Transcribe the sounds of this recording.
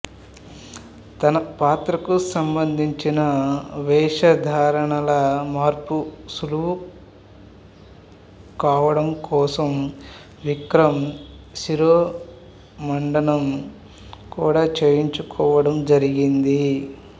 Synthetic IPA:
t̪ɐnɐpaːt̪ɾɐkusɐmbɐnd̪ʱiɲt͡ʃinɐʋɛːʂɐd̪ʱaːɾɐɳɐlɐmaːɾpusuluu | kaːʋɐɽɐmkɔːsɐm | ʋikɾɐmsiɾoː | mɐɳɖɐnɐm | kuːɽaːt͡ʃeːjiɲt͡ʃukɔːʋɐɽɐmd͡ʒɐɾiɡind̪i

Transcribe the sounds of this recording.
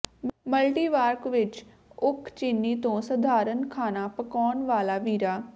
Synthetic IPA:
məlʈiːʋaːɾkʋɪt͡ʃ | ʊkʰt͡ʃɪnːiːt̪õːsəd̪ʱaːɾənkʰaːnaːpəkɔːnʋaːlaːʋiːɾaː

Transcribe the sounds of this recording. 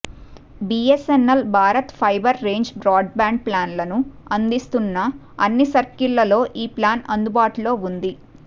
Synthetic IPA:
biesenːɐlbʱaːɾɐt̪pʰɐjbɐɾːe̞ːɲd͡ʒbɾaːɖ̚baːɳɖ̚plaːnlɐnuɐnd̪ist̪unːɐ | ɐnːisɐɾkilːɐlo̞ːʔiːplaːnɐnd̪ubaːʈulo̞ːund̪i

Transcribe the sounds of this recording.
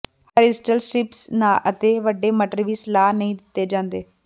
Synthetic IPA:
həːɾɪsʈəlsɾɪpsnaːʔət̪eːʋəɖːeːməʈəɾʋiːsəlaːnəĩːd̪ɪt̪ːeːd͡ʒãːnd̪eː

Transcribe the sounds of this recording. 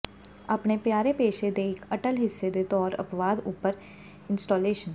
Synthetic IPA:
əpnepjaːɾepeːʃed̪eɪkʰəʈəlɦɪsːed̪et̪ɔːɾə̰pʋaːd̪ʊpːəɾ | ɪ̃nsʈoːleːʃən

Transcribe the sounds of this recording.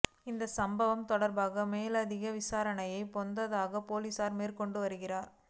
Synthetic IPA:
ɪnd̪ɐsɐmbɐʋɐmt̪ɔɽɐɾbaːɣɐmeːlɐðɪɣɐʋɪsaːɾɐɳɐjɐɪpɔnd̪ɐðaːɣɐpoːliːsaːɾmeːrkɔɳɖɯʋɐɾɯɣɪraːɾ

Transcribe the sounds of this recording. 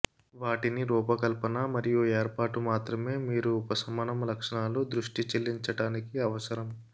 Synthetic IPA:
ʋaːʈiniɾuːpɐkɐlpɐnɐmɐɾijueːɾpaːʈumaːt̪ɾɐme̞ːmiːɾuːpɐsɐmɐnɐmlɐkʂɐɳaːlod̪ɾuʂʈit͡ʃelːiɲt͡ʃɐɽaːnikiɐʋɐsɐɾɐm

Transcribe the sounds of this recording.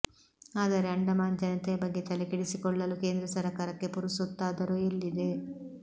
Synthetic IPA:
aːd̪ɐɾeɐɳɖɐmaːnd͡ʒɐnɐt̪ɛjɐbɐɡːe̞t̪ɐlekiɽisikɔɭːɐluke̞ːnd̪ɾɐsɐɾɐkaːɾɐkːe̞puɾusut̪ːaːd̪ɐɾoelːid̪e

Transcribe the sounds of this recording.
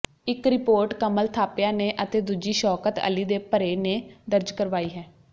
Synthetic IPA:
ɪkɾɪpoːɾʈkəməlt̪ʰaːpjãːneːʔət̪eːd̪uːd͡ʒiːʃɔːkət̪ə̰liːd̪eːpəɾeːneːd̪əɾd͡ʒkəɾʋaːiːɦɛː

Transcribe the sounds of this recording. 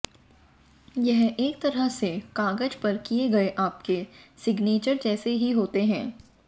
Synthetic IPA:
jɛɦeːk̚t̪ɐɾəɦsekaːɡəd͡ʒpɐɾkieɡɐeʔaːpkesɪɡneːt͡ʃəɾd͡ʒɛːseɦiɦoːt̪eɦɛ̃ː

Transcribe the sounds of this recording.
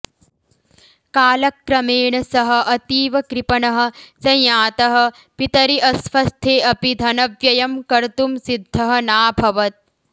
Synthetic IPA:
kaːlɐkːɾɐmeːɳɐsɐɦɐ̆ʔɐt̪iːʋɐkɾipɐɳɐɦɐ̆sɐ̃jjaːt̪ɐɦɐ̆ | pit̪ɐɾiʔɐsfɐst̪ʰeːʔɐpid̪ʱɐnɐʋjɐjɐmkɐɾt̪umsid̪ʱːɐɦɐnaːbʱɐʋɐt̪̚

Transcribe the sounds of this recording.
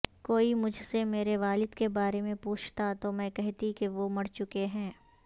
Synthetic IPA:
koːimʊd͡ʒʱsemeːɾeʋaːlɪd̪kebaːɾemẽpuːt͡ʃʰt̪at̪omɛ̃ːkɛɦt̪ikeʋomɐɽt͡ʃʊkeɦɛ̃ː

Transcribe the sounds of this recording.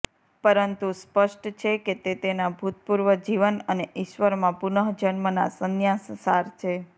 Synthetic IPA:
pəɾənt̪uspəʃʈt͡ʃʰeket̪et̪enabʱut̪̚puɾʋəd͡ʒiʋənəneʔiʃʋəɾmãpunəɦd͡ʒənməna̰sənjassaɾt͡ʃʰe

